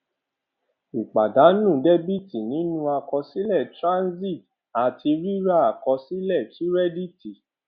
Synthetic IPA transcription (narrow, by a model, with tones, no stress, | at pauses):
i˨k͡pa˨da˨˦nũ˦˨de˦bi˦˨ti˨nĩ˨˦nũ˦a˧kɔ˧si˦lɛ˦˨tɾã˦nzi˦˨t | a˨tʰi˧ɾi˦ɾa˦˨a˨kɔ˧si˦lɛ˦˨ti˦ɾɛ˦di˦˨ti˨